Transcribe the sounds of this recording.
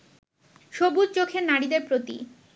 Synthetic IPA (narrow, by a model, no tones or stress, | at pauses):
ʃobudt͡ɕokʰeɾnaɽid̪eɾpɾot̪ḭ